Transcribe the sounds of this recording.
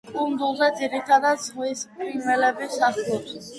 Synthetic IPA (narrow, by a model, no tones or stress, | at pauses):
kʼund̪ulˠzɛd̪ziɾit̪ʰad̪azʁwispʼɾinvɛlɛbisaχlɔs